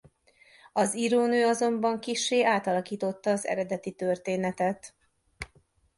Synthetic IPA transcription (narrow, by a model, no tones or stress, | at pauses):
ɒziɾoːnøːɒzo̞mbɒŋkiʃːeːʔaːt̪ɒlɒkiːt̪o̞t̪ːɒːzɛ̰ɾɛd̪ɛt̪it̪ørt̪eːnɛt̪ɛt̪